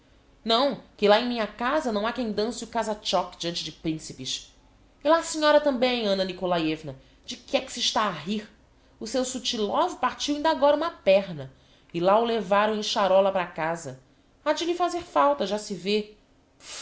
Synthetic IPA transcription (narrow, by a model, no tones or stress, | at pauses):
nɐ̃w̃kɪlaẽj̃mĩɲɐkazɐnɐ̃w̃akẽj̃d̪ɐ̃sɪʊkazat͡ʃɔkd͡ʒiɐ̃nt͡ʃɪd͡ʒɪpɾĩsipɪʃ | ɪlasiɲɔɾɐt̪ɐ̃mbẽj̃ɐ̃nɐnikolaɛvnɐ | d͡ʒɪkɪɛkɪ̥sɪʃt̪aːɦiɾ | ʊsewsut͡ʃilɔvʊpaɾt͡ʃiwĩnd̪ɐaɡɔɾɐũmɐpɛɾnɐ | ɪlaʊlevaɾɐ̃w̃ẽj̃ʃaɾɔlɐpɾakazɐ | ad͡ʒɪlɪfazeɾfawt̪ɐʒasɪve